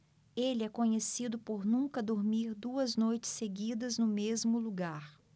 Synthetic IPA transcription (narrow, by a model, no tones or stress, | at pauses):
elɪɛkõɲesid̪ʊpoɾnũkɐd̪oɾmiɾd̪uɐznojt͡ʃɪ̥sːeɡid̪ɐznʊmezmʊluɡaɾ